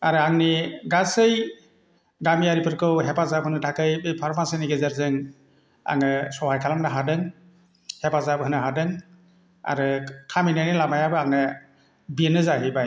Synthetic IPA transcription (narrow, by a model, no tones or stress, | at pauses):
aɾɯaŋniɡasɯj | ɡamiaɾipʰɯɾkʰɯwɦepazab̚ɦɯnɯtʰakɯjbɯjpʰaɾmasiniɡezaɾzɯŋ | a̰ŋɯsɔhajkʰalamnaɦadɯŋ | hepazabhɯnɯɦadɯŋ | a̰ɾɯkʰaminanilamajabɯaŋɯ | binɯzaɦɯjbaj